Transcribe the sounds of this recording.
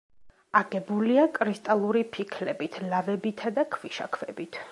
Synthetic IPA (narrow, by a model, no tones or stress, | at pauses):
aɡɛbuliakʼɾist̪ʼalˠuɾipʰikʰlɛbit̪ʰlavɛbit̪ʰad̪akʰviʃa̰kʰvɛbit̪ʰ